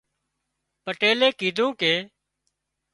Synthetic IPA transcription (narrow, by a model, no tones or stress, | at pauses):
pəʈeːleːkiːd̪ʱũːkeː